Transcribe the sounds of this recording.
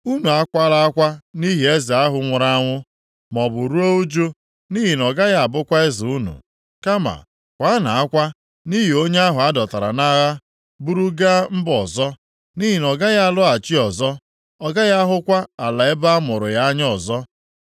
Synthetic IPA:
u˦nu˨a˦kʷa˦la˦a˦kʷa˦ni˦ɦi˨e˦zi˨a˦ɦʊ˨ŋʷʊ˨ɾa˦a˦ŋʷʊ˦ | mɔ˨bʊ˨ɾu˦o˦u˦d͡ʒo˦ | ni˦ɦi˨n˨ɔ˨ɡa˦ja˦a˨bʊ˦kʷa˦ɪ˦zʊ˨u˦nṵ˨ | ka˦ma̰˨ | kʷa˨˦na˨a˦kʷa˦ | ni˦ɦi˨o˦ɲe˦a˦ɦʊ˨a˦dɔ˨ta˨ɾa̰˨na˦ɣa˦ | bu˦ɾu˦ɡa˦m̩˦bɔ˨zɔ˦ | ni˦ɦi˨nɔ˨ɡa˦ɣa˦a˦˨lʊ˦a˨t͡ʃi˦ɔ˨zɔ˦ | ɔ˨ɡa˦ɣa˦a˦ɦʊ˦kʷa˦a˨la˨ɪ˦ba˦a˦mʊ˨ɾʊ˨ja˦a˦ɲ˦ɔ˨zɔ˦

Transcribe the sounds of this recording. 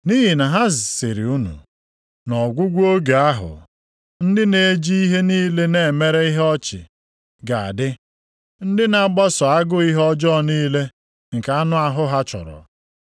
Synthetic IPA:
niː˦ɦi˨na˨ɦa˦zɪ˨sɪ̰˨ɾḭ˨u˦nṵ˨ | nɔ˨ɡʷu˦ɡʷu˦o˦ɡe˨a˦ɦʊ̰˨ | n̩˦dɪ˦ne˨˦d͡ʒi˦i˦ɦe˦niː˦le˦ne˨e˨me˦ɾe˦i˦ɦɔ˦t͡ʃɪ̰˨ | ɡa˨a̰˨dɪ˦ | n̩˦dɪ˦na˨˦ɡ͡bɔ˦sʊ˨a˦ɡʊ˦i˦ɦɔ˦d͡ʒɔ˦niː˦le˦ | ŋ̩˨ka˦nʊ˦a˦ɦʊ˦ɦa˦t͡ʃɔ̰˨ɾɔ̰˨

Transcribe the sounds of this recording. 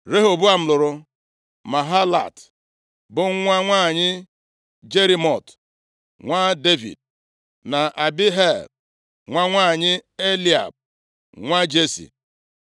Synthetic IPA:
ɾe˦ɦo˨bu˦a˨m̩˦lʊ˨ɾʊ˦ | ma˨ɦa˦la̰˨t | bʊ˨ŋ̩˦ŋʷa˦ŋʷaː˦˨ɲɪ˦ | d͡ʒe˦ɾi˦mɔ˨t | ŋʷa˦de˦vḭ˨d̚ | na˨ʔa˨bɪ˦ɦe˦˨l | ŋʷa˦ŋʷaː˦˨ɲɪ˦e˦li˨a̰˨b̚ | ŋʷa˦d͡ʒe˦sḭ˨

